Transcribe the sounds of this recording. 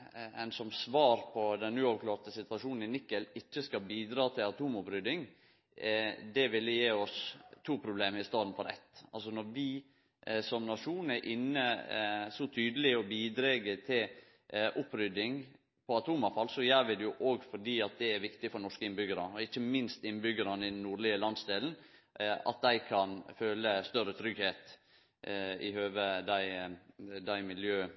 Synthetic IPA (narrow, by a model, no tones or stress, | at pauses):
ɛ̰nsɔmsʋɑːɾpʰɔd̪ɛnʉːɑʋkʰlɑːɾt̪əsɪt̪ʋɑʂuːnn̩ɪnɪkːəlɪçːəskɑbiːd̪ɾɑːt̪ʰɪlɑt̪ʰuːmʊpɾʏd̪ɪŋ | d̪ɛʋɪlːəjeːɔst̪ʰːuːpʰɾʊbleːmɪst̪ɑːd̪n̩fɔɾɛ̰t̪ːɑlsɔnɔɾʋɪ | sɔmnɑʂuːn̩ɛɾʔɪnːəsɔt̪ʰyːd̪əlɪɔbiːd̪ɾeːɡət̪ʰɪl | ʔʊpːɾʏd̪ɪŋ | pʰɔɑt̪ʰuːmɑfɑlsɔjæːɾʋɪd̪ɛjʊʔoːɡfɔɖiːɑt̪̚d̪ɛæɾʋɪkt̪ɪfɔɾɳɔʂkəɪnbʏɡəɾɑɔɪçːəmɪnst̪ɪnːbʏɡəɾɑnəɪd̪ɛnnuːɭɪəlɑnsd̪eːln̩ɑ̰t̪̚d̪æɪkʰɑnføːləst̪œɾət̪ʰɾʏɡheːt̪ | ɪhøːʋəd̪æɪ | d̪æɪmɪljøː